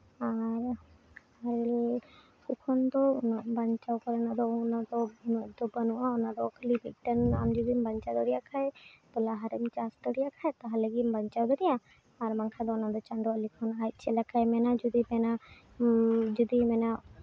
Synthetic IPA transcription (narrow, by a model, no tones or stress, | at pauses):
aɾ | haɾɛl | sukʰɔnd̪ɔɔbəɲt͡ʃawkɔɾɛnad̪ɔnad̪ɔnɔd̪ɔbənuʔaɔnad̪ɔkʰəlibʱiʈəna̰md͡ʒud̪imbəɲt͡ʃad̪ɔɾijakʰaɛt̪ɔlaɦaɾɛmt͡ʃasʈɔɽijakʰaɛt̪aɦaləɡimbəɲt͡ʃawd̪ɔd̪ijã | aɾmaŋkʰad̪ɔnad̪ɔt͡ʃaɳɖɔalikʰɔnat͡ʃʰɛlakʰajmɛnad͡ʒud̪ipɛna | d͡ʒud̪imɛna